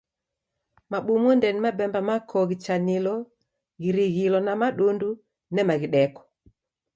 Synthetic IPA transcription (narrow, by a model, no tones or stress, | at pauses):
maɓumɔndɛnimabɛmbamakʰɔɣit͡ʃanilɔ | ɣiɾiɣilɔnamaɗundu | nɛmaɣiɗɛkɔ̥